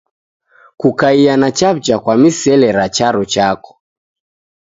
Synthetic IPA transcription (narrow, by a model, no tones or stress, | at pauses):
kukaianat͡ʃap̚t͡ʃakwamisɛlɛɾat͡ʃaɾɔt͡ʃakɔ̥